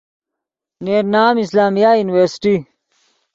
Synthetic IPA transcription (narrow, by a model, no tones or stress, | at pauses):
neːɾnaːmislaːmijajuːniweɾsʈi